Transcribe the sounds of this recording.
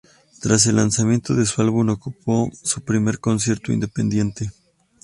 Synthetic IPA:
t̪ɾas̬e̞lːansamjent̪o̞ðe̞sualβunokupo̞supɾime̞ɾko̞ns̬je̞ɾt̪oḭnd̪e̞pe̞̰nd̪je̞nt̪e̞

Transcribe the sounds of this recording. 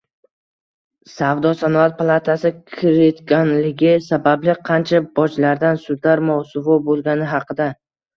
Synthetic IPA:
savd̪ɒsanɒat̪̚pʰalˠat̪ʰasɪkʲʰɪɾet̪kʲanlɪɡʲɪsabablɪqʰɑnt͡ʃʰabɒt͡ʃlaɾd̪ansʊd̪laɾmawsʊvɒbolˠɡʲanɪɦɑqʰɨd̪a

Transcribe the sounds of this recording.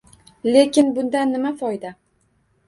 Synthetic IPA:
le̞kʲɪnbʊnd̪anːɪmafɒjd̪a

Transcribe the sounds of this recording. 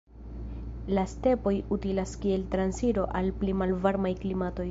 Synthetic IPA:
laste̞po̞jutilaskie̞ltɾansiɾo̞ʔalplimalvaɾmajklimato̞j

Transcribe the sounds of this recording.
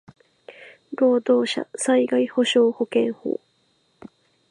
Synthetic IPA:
ɾoːd̪oːɕa̰saiɡaiho̞ɕo̞ːho̞kẽ̞ŋho̰ː

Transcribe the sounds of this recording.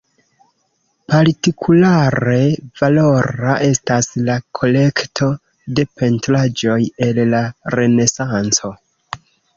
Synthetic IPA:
paɾtikʰulaɾe̞valo̞ɾaʔe̞staslakʰo̞le̞ktʰo̞ | de̞pʰe̞ntɾad͡ʒo̞je̞lːare̞ne̞sant͡so̞

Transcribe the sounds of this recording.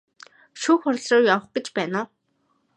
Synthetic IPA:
ʃuːxʊrʲɮrʊːjawə̆χɡ̥et͡ɕpæːnʊː

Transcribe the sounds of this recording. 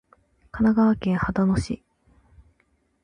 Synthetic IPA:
kanaɡaβakẽ̞ɰhad̪onoɕḭ

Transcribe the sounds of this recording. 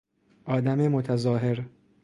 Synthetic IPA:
ʔɒːd̪æmemot̪ʰæzɒːɦeɾ

